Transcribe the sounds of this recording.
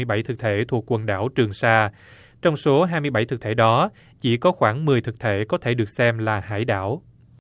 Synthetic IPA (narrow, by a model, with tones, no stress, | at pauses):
jɓa˧˩jt̪ʰɨ˨˩k̚t̪ʰe˧˩t̪ʰu˨˩əkːwə˨˩nɗa̰ː˧˩wt͡ɕɨ˨˩əŋsaː˧ | t͡ɕɔ˧wŋ͡mso˨˦ɦaː˧jmɨ˧əjɓa˧˩jt̪ʰɨ˨˩k̚t̪ʰe˧˩ɗɔ˨˦ | t͡ɕḭ˧˩kɔ˨˦xwaː˧˩ŋmɨ˨˩əjt̪ʰɨ˨˩k̚t̪ʰe˧˩kɔ˨˦t̪ʰe˧˩ɗɨ˨˩ək̚sɛ˧mlaː˨˩ha̰ː˧˥˩jɗa̰ː˧˨w